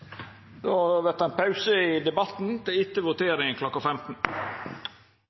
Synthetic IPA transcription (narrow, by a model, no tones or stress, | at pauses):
d̪oʋɛt̪æɪnpʰɑʉsəɪd̪ɛbɑt̪n̩t̪ʰɪɪt̪ːəʋʊt̪ʰeːɾɪŋənkʰlɔkːafɛmt̪n̩